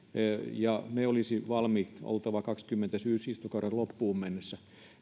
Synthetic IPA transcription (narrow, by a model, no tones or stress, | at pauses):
jɑneolisiʋɑlmikt̪o̰lt̪ɑʋɑkɑkskymːent̪æsyːsist̪ukɑurellopːuːmmenːesːæ